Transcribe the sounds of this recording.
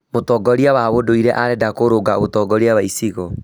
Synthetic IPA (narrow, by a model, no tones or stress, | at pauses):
motɔɡɔɾiawaβodoiɾɛʔaɾɛdakoɾoɡaɣotɔɡɔɾiawaisiɣɔ